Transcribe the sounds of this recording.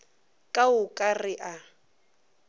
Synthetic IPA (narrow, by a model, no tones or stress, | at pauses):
kʼaʊkʼarɪʔa